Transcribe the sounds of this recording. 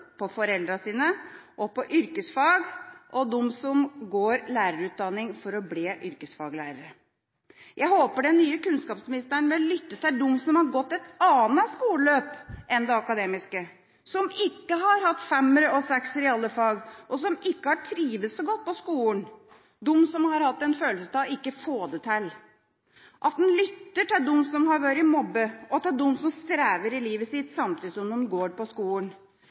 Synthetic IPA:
pʰɔfɔɾɛld̪ɾɑsiːnəʔɔpɔʔʏɾkəsfɑːɡʔɔd̪ʊmsɔmɡoːɾlæːɾəɾʉːt̪̚d̪ɑnːɪŋfɔɾɔbleːʔʏɾkəsfɑːɡlæ̰ːɾəɾə | jʔæɪhoːpəɖɛnːyːəkʉnskɑːpsmɪnɪst̪əɳmɛɔlʏt̪ːəsæɪd̪ʊmːsɔmhɑɾɡɔt̪ːɛt̪ɑːnɑskuːləløːpʔɛnd̪ɛɑkɑd̪eːmɪskə | sɔmɪkːəɦɑɾhɑt̪ːfɛmːəɾəɔsɛksɾɪɑlːəfɑːɡʔɔsɔmɪkːəhɑʈʰɾiːʋəsɔɡɔt̪̚ːpɔskuːən | d̪ʊmːsɔmhɑɾhɑt̪ːɛnføːlsəst̪ɑɪkːəfoːd̪ət̪ʰɛlː | ʔɑt̪̚d̪ɛnlʏt̪ːəʈɛɖʊmːsɔmhɑɾʋɑɾɪmɔbːəɔt̪ʰɑd̪ʊmːsɔmst̪ɾæːʋəɾɪliːʋəsɪt̪sɑmt̪ʰɪd̪sɔmnʊːnɡoːɾpɔskuːən

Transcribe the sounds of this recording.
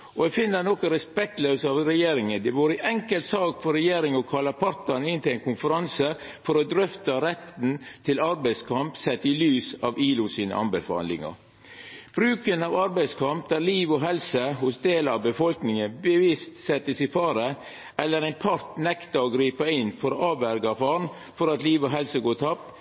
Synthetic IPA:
ʔɔɛfɪnːəɾnɔkəɾɛspɛk̚t̪løːsɑʋɾɛjeːɾɪŋənd̪ɛʋuːɾəɪʔɛŋkəlt̪sɑːkfɔɾɛjeːɾɪŋəɔkʰɑlɑpʰɑɾt̪ɑnɪnt̪ɪlæɪnkʰʊnfəɾɑnsə | fɔɾɔd̪ɾʏft̪ɑɾɛt̪nt̪ʰɪlɑɾbæɪskʰɑmpsɛt̪ːɪlyːsɑʋiːlʊsiːnə̰ʔɑ̰nbəfɑ̰nɪ̰ŋə̰ɾ | b̥ɾʉːkənɑːʋɑɾbæɪskʰɑmp̚d̪æɾliːʋɔɦɛlsəhʊsd̪eːlɑʋbəfɔlknɪŋənbəʋɪst̪sɛt̪ːəsɪfɑːɾə | ʔɛlːəɾɛɪnpʰɑɾt̪nɛkt̪ɑɔɡɾiːpɑɪnfɔɾoʔɑːʋæɾɡɑfɑɾn | fɔɾɑt̪liːʋɔɦɛlsəɡoːt̪ʰɑp

